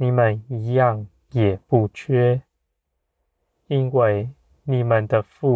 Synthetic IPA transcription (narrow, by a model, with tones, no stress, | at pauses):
ni˨˩mə˨ni˧˥jɑ˥˩ŋ | jɛ˨˩pu˥˩t͡ɕʰɥɛ˥ | i˥nwe˥˩ɪ | ni˨˩mə˨nd̪ə˨fu˥˩